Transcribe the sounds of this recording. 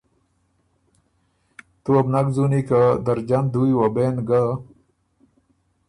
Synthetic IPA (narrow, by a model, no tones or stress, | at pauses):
t̪uabnaɡzunikad̪əɾd͡ʒand̪uiwabenɡa